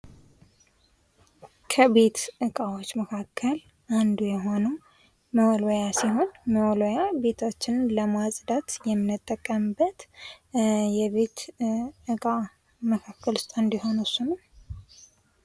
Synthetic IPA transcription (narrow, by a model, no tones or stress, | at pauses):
kʰəβe̞t̪ʔɨkʼawot͡ʃːməkʰakʰːəl | ʔand̪ujɛɦo̞nəw | məwɔlojasiɦo̞nməwɔlojabe̞t̪ʰo̞t͡ʃːɪnləmazʼd̪at̪jɛmːɨnɨt̪ʼːəkʼːəmɨbət̪ | jɛβe̞t̪ | ɨkʼa | məkʰakːəlʊst̪ʼɨnd̪iho̞nusunəm